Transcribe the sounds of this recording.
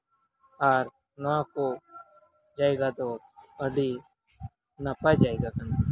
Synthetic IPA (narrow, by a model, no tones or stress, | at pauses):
aːɾ | noãːkoː | d͡ʒaːeːɡaːt̪oː | əɖiː | naːpaːid͡ʒaːeːɡaːkəna